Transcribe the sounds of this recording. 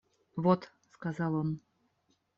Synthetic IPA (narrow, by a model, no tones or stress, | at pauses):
vot̪ | skazɑlˠon